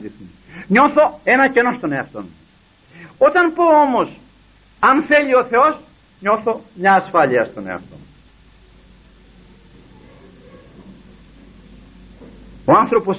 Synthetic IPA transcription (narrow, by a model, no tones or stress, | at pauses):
d̪iθimi | ɲo̞θo̞e̞nɐce̞no̞st̪o̞neɐft̪o̞̰n | o̞t̪ɐnpo̞omo̞s | ɐnθe̞ʎio̞θe̞os | ɲo̞θo̞mɲɐːsfɐʎiɐst̪onḛɐ̰ft̪o̞̰n | oɐnθɾopos